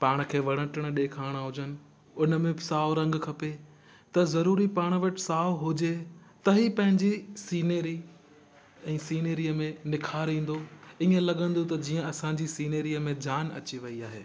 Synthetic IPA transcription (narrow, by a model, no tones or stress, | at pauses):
paːɽ̃kʰeːʋɐɽə̃ʈəɽ̃̆ɗeːkʰaːɽ̃aɦʊd͡ʑənɪ̆ | ʊnəmẽsaːoɾɐ̃ŋɡkʰɐpe | t̪ɐzɐɾuːɾipaːɽ̃ʋɐʈɪ̥saːʊɦʊd͡ʑe | t̪ɐɦipɐ̃ɦɪ̃ɲd͡ʑisiːneːɾi | ɛ̃ːsiːneːɾiːəmẽnɪkʰaːɾĩːn̆d̪oiːə̃lɐɠə̃nd̪ot̪ɐd͡ʑiːə̃ɐsãɲd͡ʑisiːneːɾiəmẽd͡ʑaːnɐ̰t͡ɕiʋɐiaːɦḛː